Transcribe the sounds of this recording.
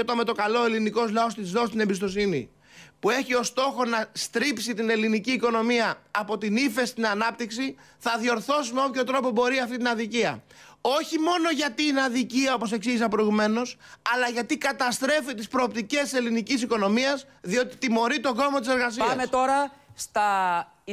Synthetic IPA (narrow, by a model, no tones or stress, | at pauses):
ot̪onme̞t̪o̞kɐlo̞e̞liniko̞zlɐo̞st̪izðo̞st̪ine̞mbist̪osinḭ | pue̞çio̞st̪o̞xo̞nɐst̪ɾipsit̪ine̞liniciːko̞no̞miɐːpo̞t̪inife̞st̪inɐnɐp̚t̪iksi | θɐðio̞ɾθo̞simeopço̞t̪ɾo̞po̞bo̞ɾiɐft̪it̪inɐðiciɐ̰o̞çimo̞no̞ʝɐt̪inɐðiciɐopo̞se̞ksiʝisɐpɾoiɣume̞no̞sɐlɐʝɐt̪ikɐt̪ɐst̪ɾe̞fit̪ispɾo̞ːp̚t̪ice̞sse̞linicisiko̞no̞miɐs | ðio̞t̪i̥t̪imo̞ɾit̪o̞ɡo̞mot̪ise̞ɾɣɐsiɐmet̪o̞ɾɐst̪ɐ